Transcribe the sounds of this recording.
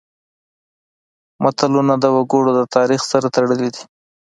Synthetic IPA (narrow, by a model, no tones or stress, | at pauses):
mat̪alunad̪əwaɡoɽod̪ət̪ɑɾixsaɾat̪aɽəlid̪i